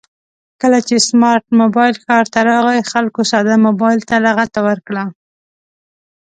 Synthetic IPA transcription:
kəlat͡ʃesmɑɾʈ̚mobɑjɪlxɑɾt̪aɾɑɣajxalkosɑd̪amobɑjɪlt̪alaɣat̪awəɾkɽa

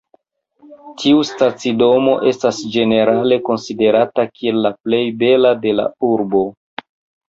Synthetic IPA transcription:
tʰiustat͡sido̞mo̞ʔe̞stasd͡ʒe̞ne̞ɾale̞ko̞nside̞ɾatakie̞lːaple̞jbe̞lade̞la̰uɾbo̞

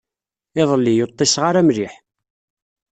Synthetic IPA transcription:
ɪðˤəlːijot̪ˤːɪsʁaɾæmɾiħ

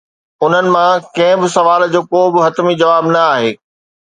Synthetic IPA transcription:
ʊn̤ənɪ̆mãkɐ̃ɦɪ̃bɪsɐʋaːld͡ʑoːkoːbɪɦɐt̪mid͡ʑɐʋaːbnɐaːɦeː

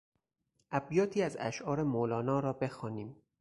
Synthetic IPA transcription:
ʔæbjɒːt̪ʰiːæzæ̰ʃɒːɾemolɒːnɒːɾɒːbexɒːniːm

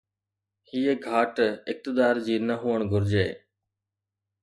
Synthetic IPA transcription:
hiːeɡʱaːʈɪk̚t̪ɪd̪aːɾd͡ʑiːnəɦuːəɳɡʱʊɾd͡ʑḛː

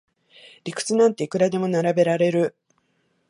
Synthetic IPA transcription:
ɾʲikɯ̟̥t͡sɨnãnt̪ːe̞ikɯ̟ɾad̪e̞mo̞naɾabe̞ɾaɾe̞ɾɯ̟

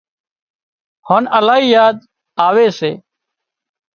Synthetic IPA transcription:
hoːnəlaːɦiːjaːd̪ | aːʋeːsḛː

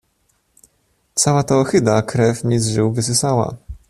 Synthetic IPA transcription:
t̪sawat̪ɔɔxɘd̪akɾɛfɲʲizʐɘwvɘs̬ɘsawa̰

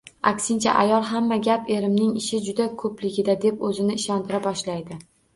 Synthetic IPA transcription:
a̰kʲsɪnt͡ʃʰa̰ʔa̰jɒlˠɦamːaɡʲape̞ɾɪmnɪŋɪʃɪd͡ʒʊd̪akʰɵplɪɡʲɪd̪ad̪e̞pɵzɪnɪɪʃɒnt̪ʰɪɾapbɒʃlajd̪ɪ

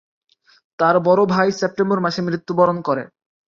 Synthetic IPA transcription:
t̪aɾbɔɾobʱajsep̚ʈemboɾmaʃemɾit̪ːubɔɾonkɔɾḛ

